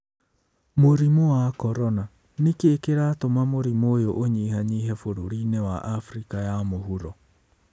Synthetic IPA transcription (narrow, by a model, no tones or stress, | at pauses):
moɾimoakɔɾɔna | nikeːkeɾatomamoɾimojoʔoɲiːɦaɲiːɦɛfoɾoɾiːnɛwa̰ʔafɾikajamoɦuɾɔ